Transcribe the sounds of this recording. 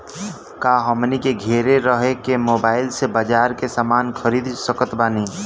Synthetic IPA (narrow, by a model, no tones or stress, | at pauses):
kaːɦəmnikeɡʱeːɾeɾəɦekemoːbaːɪlsebəd͡ʒaːɾkesaːmaːnxʰəɾiːd̪səkət̪baːniː